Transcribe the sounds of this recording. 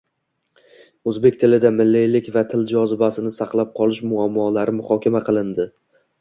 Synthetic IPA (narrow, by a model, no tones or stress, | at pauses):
ɵzbe̞k̚ʲt̪ʰɪlɪd̪amɪlːijlɪkʲvat̪ʰɪld͡ʒɒzɪbasɪnɪsaqlˠap̚qʰɒlˠɪʃmʊamːɒlaɾɪmʊχɒkʲamaqʰɨlˠɪnd̪ɪ